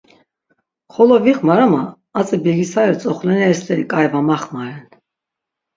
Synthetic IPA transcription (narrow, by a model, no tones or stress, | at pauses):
χɔlɔviχmaɾamaː | t͡sʼɛbɛɡisaɾɛɾt͡sʼɔχlɛnɛɛslɛɾikʼajvamaχmaɾɛn